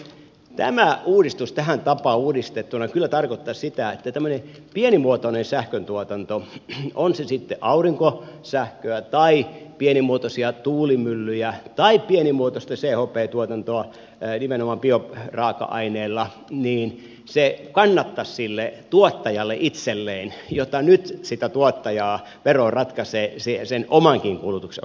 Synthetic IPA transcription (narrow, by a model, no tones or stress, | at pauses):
t̪æ̰mæʔuːdist̪ust̪æhænt̪ɑpɑuːdist̪et̪ːunɑkylːæt̪ɑrkot̪ːɑssit̪æet̪ːæt̪æmːøne | pienimuot̪onensæhkønt̪uot̪ɑnt̪oonsesit̪ːeʔɑuriŋkosæhkøæt̪ɑipienimuot̪osiɑt̪uːlimylːyjæt̪ɑippienimuot̪ost̪ɑseːhopˑeːt̪uot̪ɑnt̪oɑ | nimenomɑmpioprɑːkɑ̰ʔɑ̰ineːlːɑ | niːn | sekɑnːɑt̪ːɑssilːet̪uot̪ːɑjɑlːḛʔit̪selːeːnjot̪ːɑnyt̪sit̪æt̪uot̪ːɑjɑː | ʋerorɑt̪kɑseːsisenʔomɑŋkiŋkulut̪uksḛ